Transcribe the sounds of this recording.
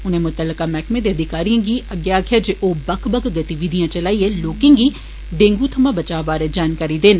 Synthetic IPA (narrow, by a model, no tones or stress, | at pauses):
ʊnẽːmʊt̪əlːəkaːmɛːkmẽd̪eːəd̪ʱɪkaːɾijãːɡiːʔəɡːjaːkʰjaːd͡ʒeːʔoːbəkʰbəkɡət̪iʋid̪ʱijãːt͡ʃəlaːiːɛːloːkɪ̃ŋɡiː | ɖẽːŋɡuːt̪ʰəmãːbət͡ʃaːʋaːɾed͡ʒaːnkaːɾiːd̪ɪn